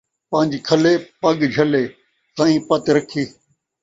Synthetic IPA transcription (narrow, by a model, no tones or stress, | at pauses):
pãːɲd͡ʒikʰəleːpɐɠd͡ʒʱɐleː | sãːĩːpət̪ɾəkʰiː